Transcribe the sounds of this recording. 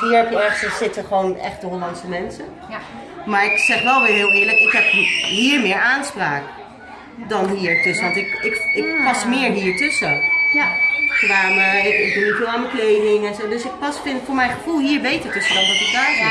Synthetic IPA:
ɦiːɹɦɛpjəɛɹχtəsɪtəχəʋonɛ̰χtəɦolɑntsəmɛnsən | maːɹɪksɛχʋɛlˠʋɪːɹɦɪːlˠɪːɹləkɪkɦɛpɦiːɹmɪːɹaːnspraːk | dɑnɦiːɹtɵsəʋɑ̃ntɪkɪkɪk̚pɑsmɪːɹɦiːɹtɵsə | kʋaməɪkɪɡ̚bnivɪːlˠaːnməklejdɪŋɛnzowdɵsɪk̚pɑsfɪnfʊːɹmɛjχəv̥ulˠɦiːɹbejtəɹtɵsədɑndɑtɪk̚daːvi

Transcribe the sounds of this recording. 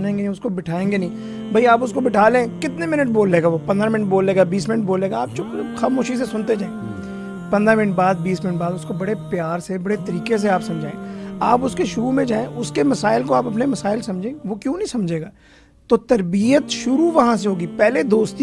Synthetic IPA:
nẽːŋɡenĩʊskobɪʈʰaːẽːŋɡenɐĩ | bʱɐiaːpʊskobɪʈʰaːlẽkɪt̪nemɪnəʈ̚boːlːeːɡaʋopɐ̃nd̪ɾamɪ̃nəʈ̚boːlːeːɡaːbiːsmɪnəʈ̚boːleːɡaaːp̚t͡ʃʊkxaːmoːʃis̬esʊnt̪ed͡ʒaːẽː | pɐ̃nd̪ɾamɪnəʈ̚baːd̪̚biːsmɪnəʈ̚baːd̪ʊskobɐɽepjaːɾsebɐɽet̪ɐɾiːkes̬eaːpsɐ̃md͡ʒʱaːẽːa̰ːpʊskeʃʊumẽd͡ʒaːẽʔʊskemɐsaːɪlkoaːpɐpnemɐsaːɪlsɐ̃md͡ʒʱẽːʋokjũːnɐɦĩsɐmd͡ʒʱeːɡaː | t̪oːt̪ɐɾbijət̪ʃʊɾuʋɐɦãs̬eɦoːɡiːpɛːled̪oːst̪i

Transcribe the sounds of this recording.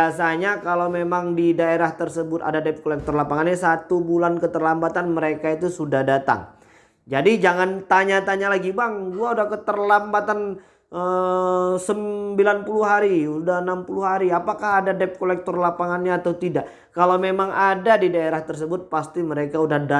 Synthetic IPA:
asaɲakalawmemaŋdidaeɾaht̪ərsəbʊt̪a̰dadɛp̚kolɛk̚t̪ɔrlapaŋanɲasat̪ubulankət̪ərlambat̪anməɾekait̪usudahdat̪a̰ŋ | d͡ʒadid͡ʒaŋant̪aɲat̪aɲalaɡibaŋɡuaudahkət̪ərlambat̪an | ʔə | səmbilanpuluɦaɾiudaənampuluhɦaɾiapakahadadɛp̚kolɛk̚t̪ɔrlapaŋanɲaːt̪aut̪idaʔ | kalamemaŋadadidaeɾaht̪ərs̬əbʊt̪̚past̪iməɾekaudahda

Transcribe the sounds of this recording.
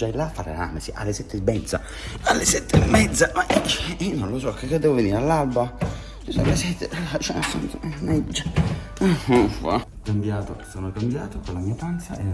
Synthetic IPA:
d͡ʒajlafaɾḛɾa̰məsiʔa̰lːesɛt̪ːemːɛd̪za̰ | alːesɛt̪ːemːɛd̪zamaʔinonlosɔkːekːed̪ːɛvoveniːɾalːalba | sisɔ̰alesɛt̪ʰːealat͡ʃɛnaso̰nsnamɛd͡ʒːa | fa̰ | kambjaːt̪osoːnokambjaːt̪okolamiːat̪ant̪saɛ

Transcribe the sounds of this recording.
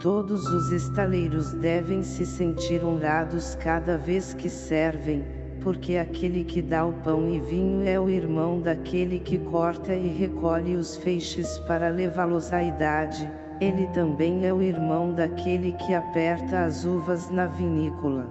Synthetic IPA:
t̪od̪ʊzʊzest̪alejɾʊzd̪ɛvẽj̃sɪsẽnt͡ʃiɾõlad̪ʊskad̪ɐveskɪsɛɾvẽj̃ | poɾkeakʰelɪkɪd̪aʊpɐ̃w̃ɪvĩɲʊɛʊiɾmɐ̃w̃d̪akʰelɪkɪkʰɔɾt̪ɐɪɦekʰɔʎɪʊsfejʃɪspaɾɐlevalozaid̪ad͡ʒɪ | elɪt̪ɐ̃mbẽj̃ɛʊiɾmɐ̃w̃d̪akʰelɪkʰɪapɛɾt̪ɐːzuvɐznɐvinikʊlɐ

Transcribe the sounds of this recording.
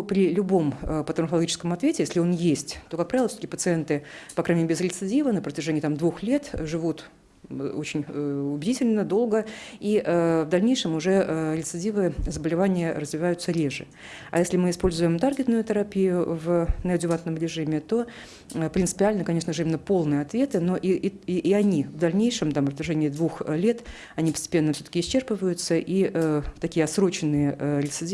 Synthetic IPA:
pɾʲɪlʲʊbo̞məpət̪ənfəlˠɡʲit͡ɕɪ̥skəmɐt̪vʲetʲɪjesʲlʲɪo̞njesʲtʲt̪o̞kak̚pɾavɪlˠfsʲo̥tə̥kʲɪpət̪sɨent̪ɨpɐkɾaɲʲɪmeɪzɾʲɪt̪sɨdʲivənəpɾətʲɪʐenʲɪjət̪amd̪vuxlʲe̞t̪ʐɨvut̪ | o̞t͡ɕɪnʲʊbʲɪdʲitʲɪlʲnəd̪o̞lˠɡəiʔəvd̪ɐlʲnʲejʂɨmʊʐɛɾʲɪt̪sɨdʲivɨzəbəlʲɪvanʲɪjərəzvʲɪvajʊt̪səɾʲeʐɨ | a̰jesʲlʲɪmɨɪspo̞lʲzʊjɪmt̪arɡʲɪt̪nʊjʊt̪əɾɐpʲijʊvnəɐdʲʊvat̪nəmɾʲɪʐɨimʲɪt̪o̞ | pɾʲɪnt̪sɨpʲɪalʲnəkɐnʲe̞ʂnəʐɨimʲɪnːəpo̞lˠnɨjəɐt̪vʲe̞t̪ɨno̞ʔiɐnʲivd̪ɐlʲnʲejʂɨmt̪ampət̪ʲɪʐenʲɪːɪd̪vuxlʲe̞t̪ | ɐnʲipə̥sʲtʲɪ̥pʲe̞nːəfsʲɵt̪əkʲɪsʲt͡ɕːerpɨvəjʊt̪səʔiʔət̪ɐkʲijəɐsɾo̞t͡ɕɪnːɨjəʔlʲɪt̪sɨdʲi

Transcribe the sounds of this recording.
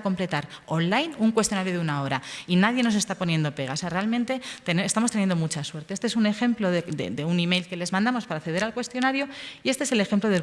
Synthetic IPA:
ko̞mple̞t̪aɾo̞nlajnuŋkwest̪jonaɾjoðeunao̞ɾainaðje̞no̞s̬e̞st̪apo̞nje̞nd̪o̞pe̞ɣ̞aoseare̞almẽnt̪e̞t̪enest̪amo̞st̪enjend̪o̞mut͡ʃaswe̞ɾt̪eest̪eesune̞xe̞mplo̞ðed̪ḛd̪eunime̞jlke̞le̞zmãnd̪amo̞spaɾaːθe̞ð̞eɾalkwe̞st̪jo̞naɾjoiest̪eese̞le̞xe̞mploðe

